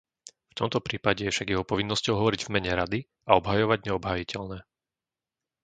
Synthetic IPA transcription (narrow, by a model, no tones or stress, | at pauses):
ft̪ɔmt̪ɔpɾiːpaɟɛjɛfʃaɡjɛɦɔpɔʋinːɔscɔʊɦɔʋɔɾiɟvmɛɲɛɾad̪i | aɔbɦajɔʋaɟɲɛɔbɦaːjicʰɛʎnɛː